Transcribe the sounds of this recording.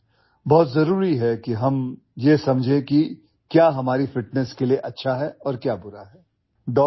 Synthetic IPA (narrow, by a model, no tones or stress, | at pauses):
bɔːt̪zɐɾuːɾiɦɛkiɦɐm | jesɐmd͡ʒʱẽki | kjaːɦɐmaːɾifɪʈnɛskelieʔɐtːʃʰaɦɛɔːɾkjaːbʊɾaɦɛː | ɖɔː